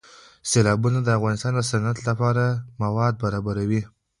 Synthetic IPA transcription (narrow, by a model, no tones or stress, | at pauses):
selɑbunad̪əafɣɑnɪst̪ɑnd̪əsanat̪lapɑɾamawɑd̪̚baɾɑbaɾawi